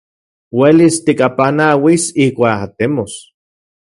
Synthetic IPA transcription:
welist̪ikapanawisihkʷaːat̪emos

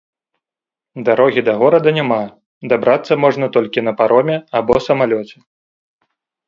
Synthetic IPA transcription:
d̪aɾɔɣʲid̪ɐɣɔɾɐd̪ɐnʲama | d̪abɾat̪sːɐmɔʐnɐt̪ɔlʲkʲin̪ɐpaɾɔmʲɛabɔsɐmalʲɔt͡sʲɛ

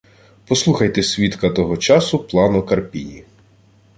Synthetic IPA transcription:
pɔslˠuxɐjt̪ɛsʲʋʲit̪kɐt̪ɔɦɔt͡ʃɑsʊplˠɑnɔkɐrpʲinʲḭ

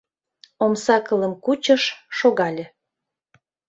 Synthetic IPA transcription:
omsɑkə̆lə̆mkut͡ɕəʃːoɣɑlʲĕ

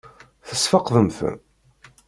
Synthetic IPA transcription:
θəsfɑqðˤəmθə̰

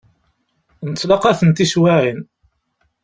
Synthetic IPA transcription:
nət͡sːlɑqæθənt̪iswaʕin

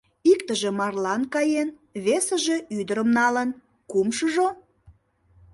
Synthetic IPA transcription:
ikt̪əʒĕmɑrlɑnkɑjen | βesəʒe̽yd̪əɾəmnɑlən | kumʃəʒo

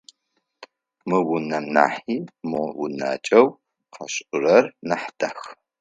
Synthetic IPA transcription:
mɨwʊnɐmna̰ːħiːmɨwʊ̰na̰ːt͡ʃʼɐw | qɐ̰ɕʔʊrɐrnɐħd̥ɐx

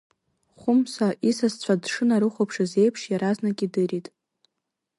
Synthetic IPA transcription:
χʷʊmsaʔisast͡ɕʷʰadʂɨnaɾɨχʷopʰʂazejpʰʂjaɾaznakʲʼidɨɾitʼ

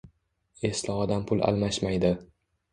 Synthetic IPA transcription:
e̞slaɒd̪ampʰʊlˠa̰lˠmaʃmajd̪ɪ

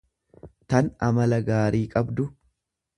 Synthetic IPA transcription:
t̪ɐnɐmɐlɐɡaːɾiːkʼɐbd̪ʊ

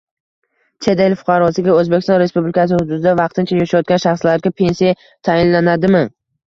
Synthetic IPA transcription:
t͡ʃʰe̞d̪elfʊ̥qʰɑɾɒsɪɡʲaɵzbekʲɪ̥st̪ɒnɾe̞spublɪkʲasɪhʊd̪ʊd̪ɪd̪avɑqt̪ʰɪnt͡ʃʰajaʃajɒt̪̚ʲanʃaχslaɾɡʲapʰe̞nsija | t̪ʰajɪnlanad̪ɪmɪ

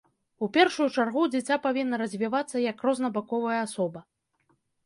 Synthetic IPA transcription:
upʲɛrʂujut͡ʂarɣud͡zʲɪt͡sʲapavʲinːɐɾɐzʲvʲivat̪sːɐjɐkrɔznɐbakɔvɐjɐasɔbɐ

